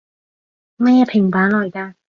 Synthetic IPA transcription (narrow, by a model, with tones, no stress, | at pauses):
mɐ˥jɛː˧˥pʰɪ˨˩ŋpaː˨˥nlɔː˨˩jkaː˧